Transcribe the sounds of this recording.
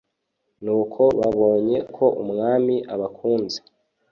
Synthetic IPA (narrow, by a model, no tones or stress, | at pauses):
nuːkʰo̞βaβo̞ːɲe̞kʰo̞ʔumŋaːmiʔaβakʰuːnze̥